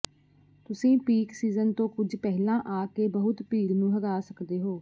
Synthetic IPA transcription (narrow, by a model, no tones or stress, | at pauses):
t̪ʊsĩːpiːksiːzənt̪õːkʊd͡ʒpɛːɦlãːʔaːkeːbəɦʊt̪piːɾnũːɦəɡaːsəkd̪eːɦoː